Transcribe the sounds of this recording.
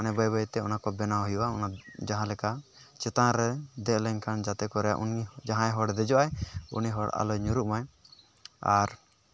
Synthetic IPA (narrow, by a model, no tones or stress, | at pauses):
anɛbɔjbɔjt̪ɛɔ̰nakɔbɛnaɦɔjuʔaɔnad͡ʒaɦãlɛkat͡ʃɛt̪aɾɛd̪ɛʔlɛɲkʰand͡ʒat̪ɛkɔɾɛja̰ʔṵnid͡ʒaɦãɛɦɔɽd̪ɛd͡ʒɔʔajṵniɦɔɽa̰lɔjɲuɾuʔmaj | a̰ɾ